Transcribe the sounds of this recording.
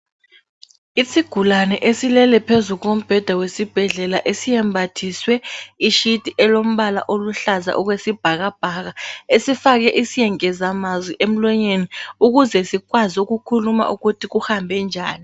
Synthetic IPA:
isiɡ̥ʱulanɛʔesilɛlɛpʰezuɣ̬om̩b̥ʱɛd̥ʱawesib̥ʱɛɮɛlaʔesijɛmbʱatʰiswɛiʃid̥ʱʼiʔɛlom̩ɓala̰ʔoluɬaza̰ʔuɣwesib̥ʱaɣab̥ʱaɣaesifak̬ɛʔisijɛŋɛzamazwiʔem̩lɔɲeniuɣuzɛsikwazuɣukʰuluma̰ʔuɣutʰiɣuhambʱɛnd͡ʒʱa̰ːni

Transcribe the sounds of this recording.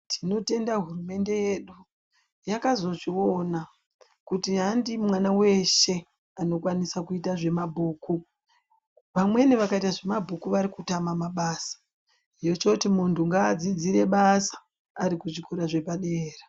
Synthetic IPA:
tʰino̞te̞ndaɦurume̞nde̞je̞ɗu | jakazo̞ʐio̞na | kutiɦandimwanawe̞ʃe̞ | ano̞kwanisakuitaʐe̞mabʱuːku | ʋamwe̞neʋakaitaʐe̞mabʱukuʋaɾikutamamaɓasḁ | jo̞t͡ʃo̞timuntʰuŋɡaːd͡zid͡ziɾe̞ɓasḁː | ɾikuʐikoɾaʐe̞paɗeːra

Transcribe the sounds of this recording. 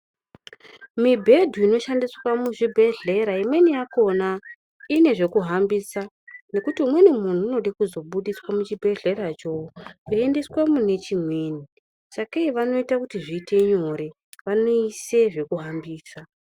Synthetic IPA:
mibʱe̞dʱuino̞ʃandiswamuʐibʱe̞ɮe̞ɾaimwe̞nijako̞na | ine̞ʐe̞kuɦambisa | ne̞kutiumwe̞nimun̤uːno̞ɗakuzo̞ɓuɗiswamut͡ʃibʱe̞ɮe̞ɾat͡ʃo̞eende̞swamune̞t͡ʃimwe̞ːni | sakeiʋano̞itakutiʐitʰe̞ɲoɾe̞ | ʋano̞ise̞ʐe̞kuɦambiːsa

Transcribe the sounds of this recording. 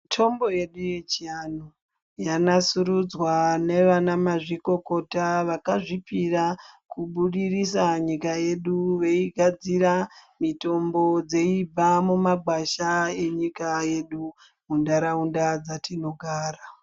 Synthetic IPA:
tʰo̞mbo̞je̞ɗuje̞t͡ʃiano | janasuɾud͡zwane̞ʋanamaʐiko̞ko̞taʋakaʐipirakuɓuɗirisaɲikaje̞ɗuʋe̞iɡʱad͡ziɾamito̞mbo̞d͡ze̞ibamumaɡ͡bʱaʃae̞ɲikaje̞ɗu | mundaɾaundad͡zatʰino̞ɡʱaːra

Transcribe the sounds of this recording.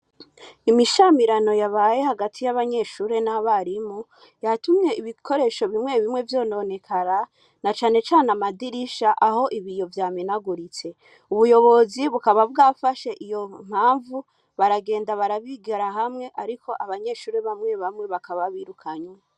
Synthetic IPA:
imiʃamiɾano̞jaβaːje̞haɡatʰijaβaɲe̞ʃuːɾe̞naβaɾimo | jatumɲe̞iβikʰo̞ɾe̞ʃo̞βimŋe̞βimŋe̞vjo̞ːno̞ne̞kʰaɾa | nat͡ʃaːne̞t͡ʃaːnamadiɾiʃaʔaho̞ʔiβijo̞vjaːminaɡuɾit͡se̞ | uβujo̞βo̞ziβukaβavɡafaʃe̞ʔijo̞m̥aːɱvu | βaɾaɡe̞ːndaβaɾaβiɡaɾaɦamŋe̞ʔaɾikʰo̞ʔaβaɲe̞ʃuːɾeβamŋe̞βamŋeβakaβaβiɾukʰaɲwe

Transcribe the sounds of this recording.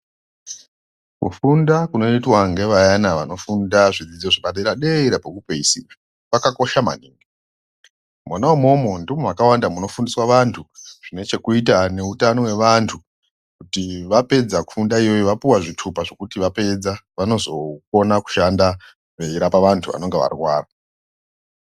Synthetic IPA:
kṵfundakuno̞itwaŋɡeʋajanaʋano̞fundaʐid͡zid͡zoʐiɓaɗeɾaɗeiɾapekupeisia | pakako̞ʃama̰niːŋɡe | mwanaumomondimowakawandamuno̞fundiswaʋantʰuʐ̥ine̞t͡ʃe̞kuitane̞utano̞we̞ʋantʰu | kutiʋape̞d͡zaku̥fundaijo̞joʋapuwaʐitʰupaʐo̞kutiʋape̞d͡zaʋano̞zo̞ko̞naku̥ʃanda | eiɾapaʋantʰuʋa̰no̞ŋɡeʋa̰rwaːra

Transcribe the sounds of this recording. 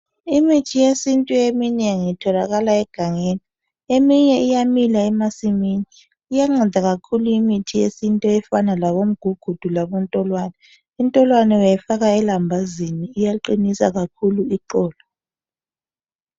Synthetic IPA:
imitʰijesintʼuemineŋitʰɔlaɣalaɛɡ̥ʱaŋeːni | emiɲɛʔijamilaɛmasiminiː | jaŋ͡ǁɛdʱaɣakʰuluimitʰijesintʼɔɛfanalaβom̩ɡ̥ʱuɡ̥ʱud̥ʱulaβɔntʼɔlwanɛ | untʼɔlwanɛwɛjɛfaɣaɛlambʱaziniːjaǃinisa̰ɣakʰuluiǃɔːlɔ

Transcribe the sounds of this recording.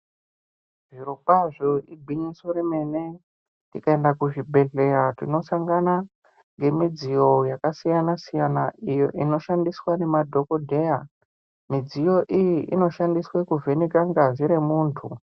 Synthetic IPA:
ʐiɾopaʐoibʱiɲisoɾime̞ne̞ | tikae̞ndakuʐibʱe̞ɮe̞ːɾatino̞saŋɡana | ŋɡe̞mid͡zijo̞jakasijanasijanaijo̞ʔino̞ʃandiswane̞madʱo̞kodʱe̞ja | mid͡zijo̞ʔijiʔino̞ʃandiswekuvʱe̞nikaŋɡaziɾemuːntʰu

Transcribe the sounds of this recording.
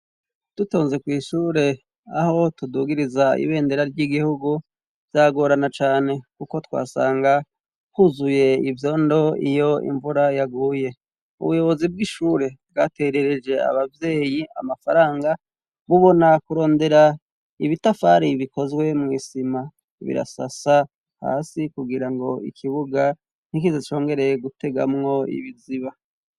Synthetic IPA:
d̥uto̞ːnze̞kwiːʃuːɾe̞ | aho̞tuduːɡiɾizaḭβe̞ːndeɾaɾɟiɡihuɡu | vjaːɡo̞ːɾanat͡ʃaːne̞kuko̞twa̰ːsa̰ːŋɡa | huzuje̞ivjo̞ːndo̞ḭjo̞ḭɱvuɾajaɡuːje̞ | ṵβujo̞βo̞zib̚ɡiʃuːɾe̞b̚ɡaːte̞ɾe̞ɾe̞d͡ʒe̞a̰βavje̞ːjia̰mafaɾaːŋɡa | βuβo̞nakuɾo̞ːnde̞ɾa | iβitafaːɾiβiko̞zɡwe̞mŋiːsima | βḭɾa̰sa̰sa | ha̰ːsikuɡiɾaŋɡo̞ḭkʰiβuɡa | n̥ikizet͡ʃo̞ːŋɡe̞ɾe̞jeɡute̞ɡa̰mŋo̞ḭβiziβa

